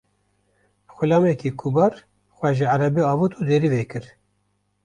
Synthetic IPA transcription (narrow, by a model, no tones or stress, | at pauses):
xʷɨlɑːmɛkiːkʰubɑːɾ | xwɛʒɨʕaɾɛbiɑːvut̪uːd̪eːɾiveːkɨɾ